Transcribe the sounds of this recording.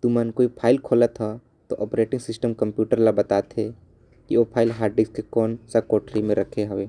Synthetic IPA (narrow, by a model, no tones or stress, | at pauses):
t̪umaːnkoːipʰaːɪlkʰoːlat̪ʰa | t̪o̰ʔɔːpɾeːʈɪ̃ŋɡsɪsʈəmkɐ̃mpjuːʈəɾlabɐt̪aːt̪ɦɛ | kiopʰaːɪlɦaːɾɖɪkskekɔːnsakɔːʈɾimẽɾʔɐkʰeɦɐʋeː